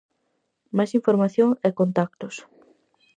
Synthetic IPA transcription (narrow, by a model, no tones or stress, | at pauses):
majsiɱfoɾmaθjoŋɛkont̪ak̚t̪ʊs